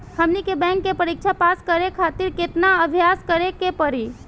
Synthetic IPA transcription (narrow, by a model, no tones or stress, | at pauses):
həmnikebɛ̃ŋkːepəɾik̚t͡ʃʰapaskəɾekʰat̪iɾket̪naəbʱjaskəɾekepəɾi